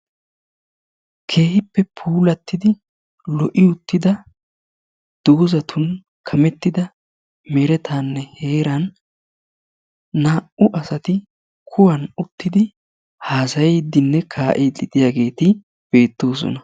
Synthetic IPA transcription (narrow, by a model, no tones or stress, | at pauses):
kʰe̞ːhɪpːɛpʰuːlɐt̪ːɪd̪ɪ | lɔʔɪʊt̪ːɪd̪ɐ | d̪̥oːzɐt̪ʰʊn | kʰɐmɛt̪ːɪd̪ɐ | mɛɾɛt̪ʰaːnːɛhe̞ːɾɐn | aːʔʊʔɐsɐt̪ɪ | kʰʊwɐnʊt̪ːɪd̪ɪ | haːsɐjɛːd̪ɪnːɛkʰaːʔeːd̪ɪd̪ɪjaːɡe̞ːt̪ɪ | b̥e̞ːt̪ːo̞ːs̬ɔ̰nɐ